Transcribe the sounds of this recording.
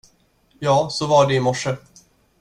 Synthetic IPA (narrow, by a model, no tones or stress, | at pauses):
jɑːsɔvaɖɛɪmɔʂːə